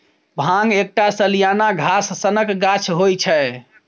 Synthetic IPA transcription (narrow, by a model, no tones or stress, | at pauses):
bʱãŋɡek̚ʈasəlijanaɡʱasːənəkɡat͡ʃʰɦojt͡ʃʰɛ